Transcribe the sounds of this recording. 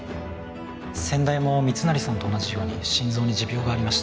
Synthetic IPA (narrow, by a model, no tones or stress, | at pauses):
sẽ̞nd̪aimomʲit͡sɨnaɾʲisãnt̪oːnaʑijo̞ːɲ̟ḭɕĩnzo̞ːɲ̟id͡ʑibʲo̞ːɡaːɾʲimaɕi̥t̪